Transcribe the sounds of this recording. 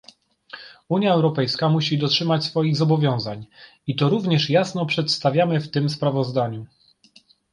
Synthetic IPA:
uɲjaɛwɾɔpɛjskamuɕid̪ɔtʂɘmat͡ɕsfɔjiɣzɔbɔvʲjɔ̃w̃zaɲ | it̪ɔɾuvɲɛʂjasnɔpʂɛt̪st̪avʲamɘft̪ɘmspɾavɔzd̪aɲu

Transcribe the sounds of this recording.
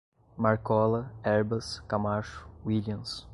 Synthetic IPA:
maɾkɔlɐɛɾbɐskamaʃʊ̥wiliɐ̃ms

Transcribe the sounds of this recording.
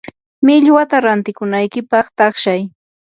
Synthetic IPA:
mɪʎwat̪aɾant̪ɪkʊnajkɪpɑχt̪ɑχʃaj

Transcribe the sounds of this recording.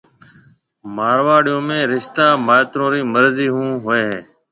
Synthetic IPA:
maːɾʋaːɽɪjõːmẽːɾɪʃt̪aːmaːt̪ɾõːɾiːməɾziːɦũːɦoeːɦẽː

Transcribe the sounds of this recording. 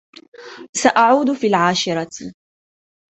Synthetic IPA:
saʔaʕuːd̪ʊfiːlʕaːʃɪɾˤɑ

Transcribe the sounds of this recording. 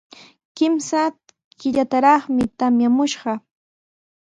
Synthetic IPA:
kɪmsa | kɪʎat̪aɾɑχmɪt̪amjamʊʃɢɑ

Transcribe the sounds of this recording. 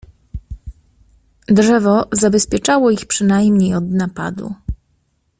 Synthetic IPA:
dʐɛvɔzabɛspʲjɛt͡ʂawɔixpʂɘnajmɲejɔd̪napa̰d̪ṵ

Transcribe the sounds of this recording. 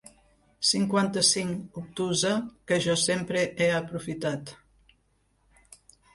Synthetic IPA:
siŋkwant̪əsiŋup̚t̪uzəkəʒɔsempɾeʔeəpɾufit̪at̪

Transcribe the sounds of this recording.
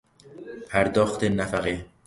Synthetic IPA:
pʰæɾd̪ɒːxt̪ʰenæfæɣe

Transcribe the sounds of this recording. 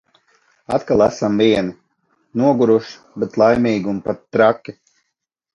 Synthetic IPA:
a̰t̪kalˠasamviɛni | nuɔɡuɾuʃ | bɛt̪lˠajmʲiːɡumpat̪ːɾakʲːi

